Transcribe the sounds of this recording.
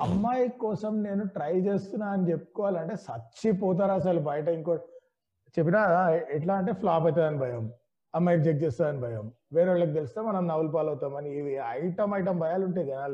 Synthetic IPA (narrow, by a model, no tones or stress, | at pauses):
ɐmːaːjikɔːsɐmne̞ːnuʈɾɐjt͡ʃeːst̪unːaːɐnit͡ʃepːu̥kɔːʋaːliɐɳʈe̞ːsɐt͡ʃipɔːt̪̬aːɾas̬ɐlubɐjɐʈɐiŋko | t͡ʃep̬ːinaɛʈlaːɐɳʈe̞ːpʰlaːpɐjt̪aːd̪ɐnibʱɐjɐm | ɐmːaːjid͡ʒek̚t͡ʃeːst̪aːd̪ɐnibʱɐjɐm | ʋeːɾaɭːɐk̬it̪e̞lust̪eːmɐnɐmnɐʋulpaːlɐwt̪aːmɐniːʋiɐjʈɐmɐjʈ̬ɐmbʱɐjaːluɳʈeɡɐnaːl